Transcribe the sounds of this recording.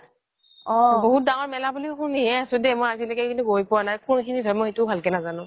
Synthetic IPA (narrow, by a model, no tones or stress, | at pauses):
ɔboɦut̚daŋɔɹmɛlabulixuniɦɛasʊ̃dɛmojasilɛkɛkintuɡojpʊwanajkunkʰinidʱɔmɔjxetubʱalkɛnazanʊ̃